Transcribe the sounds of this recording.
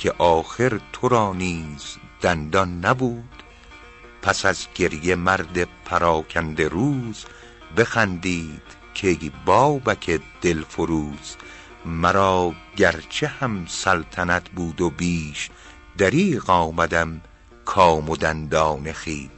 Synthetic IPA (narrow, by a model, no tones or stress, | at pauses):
kʰeʔɒːxe̞ɾt̪ʰoɾɒːniːz̥d̪̥ænd̪ɒnːæbuːd̪̥ | pʰæsæzɟe̞ɾjemæɾd̪e̞pʰæɾɒːkʰænd̪eɾuːz | be̞xænd̪iːd̪̥ | kʰejbɒːbækʰed̪̥elfoɾuːz̥ | mæɾɒːɟæɾt͡ʃʰehæmsælt̪ʰænæt̪ʰbuːd̪obiːʃ | d̪̥æɾiːɣɒːmæd̪æm | kʰɒːmod̪ænd̪ɒːne̞xiː